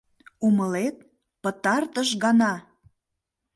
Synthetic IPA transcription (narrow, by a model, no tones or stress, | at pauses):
uməlet̪̚ | pət̪ɑrt̪əʃɣɑnɑ